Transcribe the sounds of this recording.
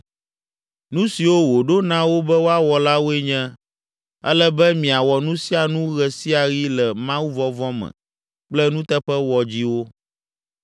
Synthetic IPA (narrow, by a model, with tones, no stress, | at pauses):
nũ˦si˨wo˦wo˨ɖo˦nã˦wo˦bɛ˦wo˦a˦wɔ˨la˦wo˦e˦ɲɛ̃˦ | ɛ̰˦lɛ˦bɛ˦mĩ˨a˨wɔ˨nũ˦si˦a˨nũ˦ɣɛ˨si˦a˨ɣi˦lɛ˨mã˦wu˦vɔ˦vɔ˦mɛ̰̃˨ | k͡plɛ˦nũ˦t̪ɛ˦ɸɛ˦wɔ˨d͡ʑi˦wo˦